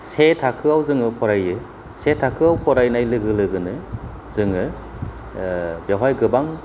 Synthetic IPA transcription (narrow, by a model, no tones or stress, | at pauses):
setʰakʰɯawzɯŋɯpʰɔɾajɯ | setʰakʰɯawpʰɔɾajnajlɯɡɯlɯɡɯnɯ | zɯŋɯ | bjawɦajɡɯbaŋ